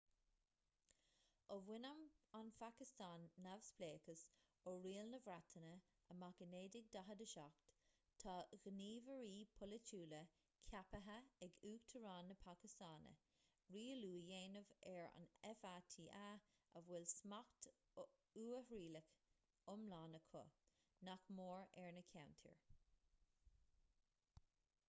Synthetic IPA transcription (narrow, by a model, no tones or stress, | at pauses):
əvwɪnəmanfakɪst̪aːnːavspleːkəs | ɔɹiːlnəvɾat̪ʰənə | əmakəneːdɪɡ̚d̪aɦəd̪əʃak̚t̪ | tʰɑːɣəniːvəɹiːpʰʊlət͡ʃuːlə | kʰapəɦəɛɡuːkt̪ʰəɹɑːnːəpʰakɪst̪aːnə̰ | ɹiːəluːjeːnəvɛɹa̰nɛfatʰiːʔaəvwɛlsmakt̪ | uːəhɹiːlək | ʊmlaːnəkʰʊ̰ | nakmoːɹɛɹnəkʰawntʰḭɹ